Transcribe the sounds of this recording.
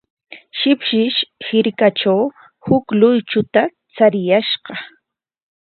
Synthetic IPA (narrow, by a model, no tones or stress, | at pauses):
ʃɪpʃɪʃhɪɾkaʈ͡ʂaw | hʊklʊjt͡ʃʊt̪a | t͡saɾɪjaʃɢɑ